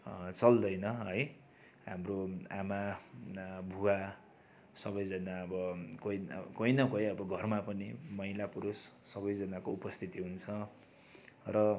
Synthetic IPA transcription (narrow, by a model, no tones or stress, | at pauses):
t͡sʌld̪ʌjnʌɦʌj | ɦamroama | bʱua | sʌbʌjd͡zʌnaʌbʌkojkojnʌkojʌbʌɡʱʌrmapʌnimʌilapuɾusːʌβʌjd͡zʌnakoupʌst̪ʰit̪iɦunt͡sʰʌ | rʌ